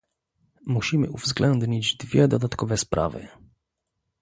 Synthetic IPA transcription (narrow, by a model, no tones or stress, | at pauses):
muɕimɘ̰ʔuvzɡlɛnd̪ɲid͡ʑd̪vʲjɛd̪ɔd̪at̪kɔvɛspɾa̰vɘ̰